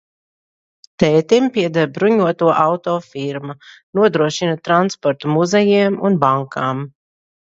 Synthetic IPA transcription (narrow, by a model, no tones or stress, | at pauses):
t̪ɛːt̪impiɛd̪aɾbɾuɲuɔt̪uɔʔawt̪ɔːfiɾmunuɔd̪ɾuɔʃinat̪ɾanspɔɾt̪umuzɛjiɛmunbaŋkʰaːm